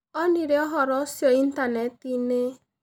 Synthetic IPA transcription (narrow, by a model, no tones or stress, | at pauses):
ɔniɾeɔɦɔɾɔsjoin̩tanetine